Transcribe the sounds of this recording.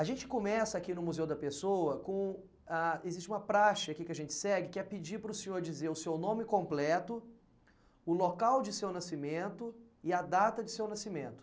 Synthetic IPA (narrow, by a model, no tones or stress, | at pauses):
aʒẽnt͡ʃɪ̥kõmɛsɐakinʊmuzewd̪ɐpesoɐkõ | aezist͡ʃɪũmɐpɾaʃɐakikɪɐʒẽnt͡ʃɪ̥sɛɡɪkɪɛpɪd͡ʒiɾpɾʊsẽɲoɾd͡ʒizeɾʊsewnõmɪkõmplɛt̪ʊ | ʊlokawd͡ʒɪsewnasimẽnt̪ʊ | ɪɐd̪at̪ɐd͡ʒɪsewnasimẽnt̪ʊ̥